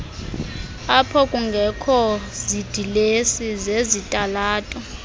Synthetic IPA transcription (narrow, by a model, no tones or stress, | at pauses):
apʰɔkʼuŋɡʱɛkʰɔzid̥ʱilesizezitʼalaːtʼɔ